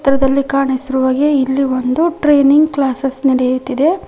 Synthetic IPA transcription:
t̪ɾɐd̪ɐlːikaːɳisiɾuʋaːɡeilːiʋond̪uʈɾeːniŋɡklaːsesniɽejut̪ːid̪e̞

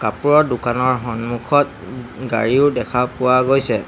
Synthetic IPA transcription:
kapuɹɔɹdukanɔɹɦɔnmukʰɔt̚ɡa̰ɹiʊdɛkʰapʊwaɡojsɛ

